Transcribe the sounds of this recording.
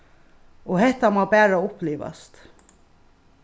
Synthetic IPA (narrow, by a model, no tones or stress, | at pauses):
ɔhɛht̪amɑːbæːɾaʊpleːʋɑ̰st̪